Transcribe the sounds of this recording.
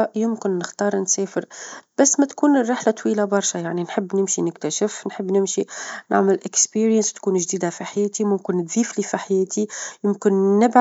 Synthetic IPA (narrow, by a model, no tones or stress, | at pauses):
jʊmkɪnːɪxt̪ɑːɾˤnsɛːfɪɾb̥æsːmæt̪kuːnərˤːɪħlat̪wiːlabɑɾˤʃajaʕninħəbːnɪmʃinɪkt̪æʃɪfnħəbːnɪmʃina̰ʕmɪlʔɪkspiːɾjənst̪kuːnʒd̪iːd̪afiħajɛːt̪imʊmkɪnːɪt̪ðiːflifiħajɛːt̪ʰijʊmkɪnːɪbʕ